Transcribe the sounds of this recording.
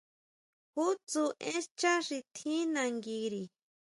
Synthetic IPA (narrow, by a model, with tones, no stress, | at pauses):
hu˦t͡su˧ʔẽ˦st͡ʃa˦ʂi˧t̪ʰĩ˦nã˨˧ŋɡi˧ɾi˨